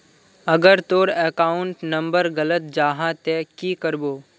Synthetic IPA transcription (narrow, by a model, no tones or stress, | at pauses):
əɡəɾt̪oːɾeːkaːʊɳʈnə̃mbəɾɡələt̪̚d͡ʒaːɦãt̪eːkiːkəɾboː